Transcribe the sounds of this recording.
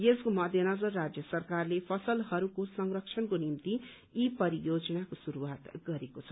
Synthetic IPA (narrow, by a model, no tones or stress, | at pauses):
jeskomʌd̪ʱjʌnʌd͡zʌrːad͡zjʌsʌrkarlepʰʌsʌlɦʌɾukosʌŋrʌkt͡ʃʰʌnkonimt̪i | ipʌɾijod͡zʌnakosuɾuwat̪ɡʌɾekot͡sʰʌ̥